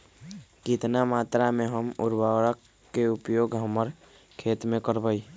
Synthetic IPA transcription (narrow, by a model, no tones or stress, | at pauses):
kɪt̪namaːt̪ɾamẽɦəmʊɾbawɾəkː | eʊpjoːɡɦəməɾ | kʰeːt̪mẽkəɾbəi